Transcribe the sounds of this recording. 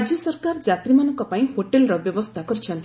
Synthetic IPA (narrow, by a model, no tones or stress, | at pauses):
d͡ʒjɔsɔɾkaɾd͡ʒat̪ɾimanɔŋkɔpaĩhoʈelɾɔbjɔʋɔst̪ʰakɔɾit͡ʃʰɔnt̪